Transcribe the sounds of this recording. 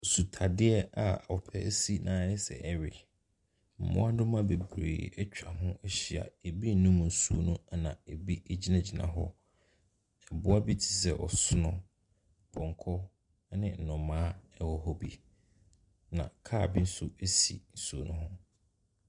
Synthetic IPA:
su˨tʰa˨dɪ˦ɛ˦a˨a˨ɔ˨pʰɛ˦si˦nãː˨˦ɛ˦sɛ̰˨ʔɛ˦ɥɪ˨ | m̩˨mʊ̰̃˦a˦dʊ˦mã˦be˨bɾḛː˨ɛ˦t͡ɕᶣa˨ɦʊ̃˦ɛ˦ɕi˨a̰˨e˨bi˦n̩˦nũ˦m̃˨n̩˨su˨o̰˨nũ˦a˨nã̰˨e˨bi˦ɛ˦d͡ʑi˦nã˦d͡ʑi˨nã̰˨ɦɔ˦ | ɛ˨bʊ˦a˦bi˦tʰɪ̥˨s̬ɛ˨ʔɔ˨sʊ˦nʊ̃˦ | bʰɔ̃˨ŋ˨kʰɔ˦ | nɪ̃˦n̩˨nʊ̃˨mãː˦ɛ˦wɔ˨ɦɔ˦bḭ˨ | nã̰˨kʰaː˦˨bi˦n̩˦sʊ˦e˦sḭ˨n̩˨su˨o˨nũ˦ɦʊ̃˦

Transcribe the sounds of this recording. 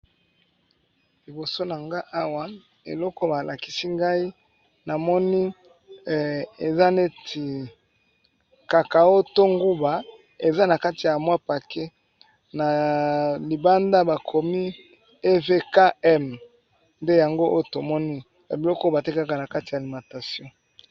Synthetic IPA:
li˨bo˨so˦na˨ŋɡa˦ʔa˦wa˦ | ḛ˨lɔ˦kɔ˦ba˨la˨ki̥˨si˦ŋɡa˦i˦ | na˨mɔ˦ni˦˨ | e˨za˦ne˦tʰi˨ | ka˨ka˨o˦to˦ŋɡu˦ba˨ | e˨za˦na˨ka˦ti˨ja˨mwa˦pa˨ke˦ | na˨ | li˨ba˦nda˦ba˨kʰo˨mi˦ | e˦ve˦ka˦ɛ˦m | nde˦ja˨ŋɡo˦ʔo˦jo˦˨to˨mɔ˦ni˦ | ja˨bi˨lɔ˦kba˨te˦ka˦ka˨na˨ka˦ti˨ja˨li˨mã˨ta˨sjɔ̃˦

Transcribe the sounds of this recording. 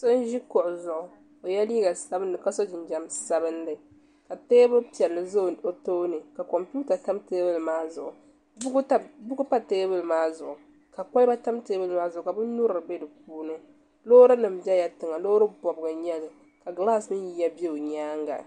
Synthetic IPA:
so˦n˦ʒi˦kɔ˨ʔʊ˨zʊ˨ʔʊ˨ | o˨ja˦liː˦ɡa˨sa˦bɨ˦n˦dɨ˨ka˦so˦d͡ʒɪ˨nd͡ʒa˨msa˦bɨ˦ndɨ˨ | ka˨teː˦bɨ˦lpi˨ɛ˨lːɨ˨zo˦˨o˨to˦nɨ˨ka˨kɔ˨mpu˦ta˨ta˦mteː˦bɨ˦lmaː˦zʊ̰˨ʔʊ˨˦ | bu˦ɡʊ˦pa˦teː˦bɨ˦lmaː˦zʊ˨ʔʊ˨ | ka˨ka˦jba˦ta˦mteː˦bɨ˦lmaː˦zʊ˨ʊ˨ka˨bɨ˦nu˦ɾɨ˨ɾɨ˨be˦dɨ˨k̚uː˦nɨ˦ | loː˦ɾɨ˦nɨ˨mbɛ˦ja˨tɨ˨ŋa˨lo˦ɾɨ˦bɔ˨bɨ˨ɡɨ˨ɲɛ˦lɨ˨ | ka˨ɡlaː˦smɨ˦n˦ji˦ja˦be˦o˨ɲaː˦ŋɡa̰˨

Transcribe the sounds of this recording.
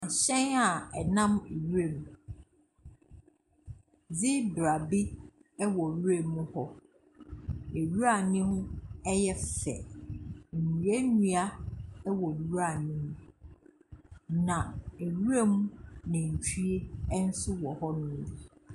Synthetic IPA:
ã˨ɕɛ̃˦na˨ɛ˨nã˦me˨ɥu˦ɾe˦˨mu˨ | d͡zɪ˦bɾa˨bi˦ | ɛ˦wɔ˨˦u˦e˦˨mːũ˦hɔ˦ | e˨ɥu˦ɾa˨nɪ̃˦hʊ̃˦ɛ˦jɛ˦fɛ̰˨ | m̩˨mu˨e˦nũ˦a˦wɔ˨˦u˦a˨nɪ̃˦m̃˦ | nã˨e˨ɾu˦ɾe˦mũ˦nɪ̃˨n̩˨tʰu˦e˦n̩˦sʊ˦wɔ˨hɔ˦nʊ̃˦i˨˦˨

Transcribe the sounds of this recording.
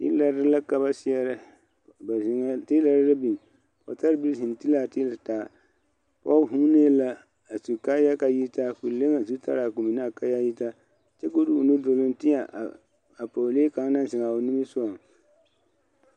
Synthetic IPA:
tḭ˦la˦ɾla˦ka˦ba˦si˦ɛ˦ɾa˦ | bti˦la˨ɾla˦bi˨m˨ | pɔ̰˨ta˦ɾbi˦lɦi˨n˨ti˦la˦˨ti˦la˨taː˨ | pɔ˦ɦu˦ne˦la˦ | a˨su˨ka˦ja˦ka˨ji˦ta˦fu˨le˦ŋa˨zu˦ta̰˦ɾa˨ku˨mi˨na˦˨ka˦ja˦ji˦ta˦ | t͡ʃɛ˦ko˦du˦˨nu˦do˨lo˦n˦tɪ˦ɲa˨ | a˨po˨le˦ka˨ŋ˦na˦zɪ˨ŋa˨o˨nɪ˦mi˦sʊ˦a˨ŋ

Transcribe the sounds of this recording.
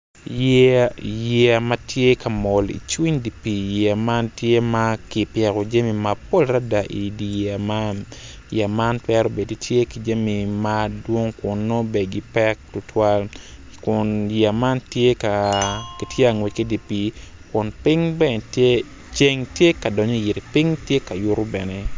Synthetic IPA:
j | jɛ˨a˨ma˦tje˦ka˨mɔ˨lḭ˨t͡ʃwi˦ɲdi˨pi˨ja˨ma˦ntje˦ma˦ki˨pjɛ˨ko˨d͡ʒa˦mi˨mapo˦lɾa˦da˨ʔi˨di˨ja˨ma˦n | ja˨ma˦ntwɛ˦ɾo˦be˨di˨tje˦ki˨d͡ʒa˦mi˨ma˦dwo˦ŋkʊ˨nːo˦be˨ɡi˨pɛ˦k̚tʊ˨tʰwa˦l | kʊ˨nja˨ma˦ntje˦ka˨ki˨tje˦a˨ŋwe˨ki˦di˨pi˨ | kʊ˨npi˦ŋbɛ˦˨te˦ | t͡ʃe˦ŋtje˦ka˨dɔ˨ɲo˦˨ji˨ti˨pi˦ŋtje˦ka˨jʊ˦ɾʊ˦bɛ˨ne˦

